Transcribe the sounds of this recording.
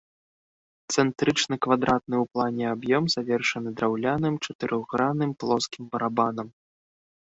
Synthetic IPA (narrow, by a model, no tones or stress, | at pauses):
t̪sɛnt̪ɾɨt͡ʂnɐkvad̪ɾat̪̚nɨwplˠanʲɛabjɔmzavʲɛrʂɐnɨd̪ɾawlʲanɨmt͡ʂɐt̪ɨɾʔɔɣɾanɨmplˠɔskʲimbɐɾabanɐm